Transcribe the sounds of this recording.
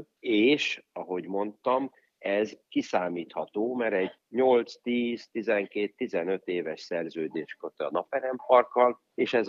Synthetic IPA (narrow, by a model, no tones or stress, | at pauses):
eːʃɒɦo̞ɟmo̞nt̪ɒm | ɛzkisaːmiːt̪hɒt̪oːmɛɾɛɟ | ɲo̞lt̪st̪iːz̥t̪izɛŋkeːt̪ːizɛnø̞t̪eːvɛʃsɛrzøːd̪eːʃkøt̪ɛɒ̰nɒpɛɾɛmpɒrkɒl | eːʃɛz